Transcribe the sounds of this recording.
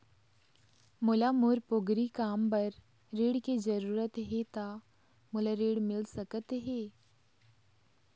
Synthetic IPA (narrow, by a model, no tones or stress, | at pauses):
mʊlamuːɾpoɡɾikaːmpɐɾː | eːɽked͡ʒɐɾuːɾət̪ɦet̪a | mʊlaɾeːɽmɪlsəkət̪ɦeː